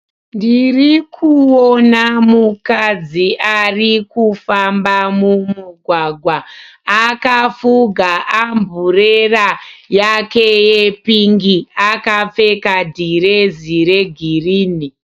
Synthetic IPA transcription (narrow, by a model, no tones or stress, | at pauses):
ndirikʰuwonamukad͡ziʔarikufambamumuɡʱwaɡʱwaː | kafuɡʱaʔambʱurerajake̞jepiŋɡiakap͡fe̞kadʱiɾeziɾe̞ɡʱiriːni